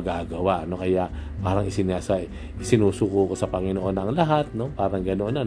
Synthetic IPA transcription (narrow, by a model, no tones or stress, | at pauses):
ɡaːɡɐwaʔɐno̞kɐjaʔpaːɾɐŋɪsɪnasɐ | ɪsɪnuːsuːkuko̞sɐpɐŋɪnoʔo̞nɐŋlɐɦat̪̚no̞paːɾɐŋɡɐnoʔona